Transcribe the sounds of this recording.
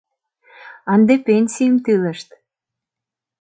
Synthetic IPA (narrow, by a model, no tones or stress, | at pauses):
ɑnd̪epenʲsʲijəmt̪ilə̆ʃt̪